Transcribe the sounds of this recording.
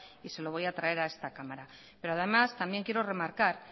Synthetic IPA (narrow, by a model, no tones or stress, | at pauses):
ise̞lo̞β̞o̞jat̪ɾae̞ɾae̞st̪akamaɾa | pe̞ɾoaðe̞mast̪ambje̞ŋkje̞ɾo̞re̞maɾkaɾ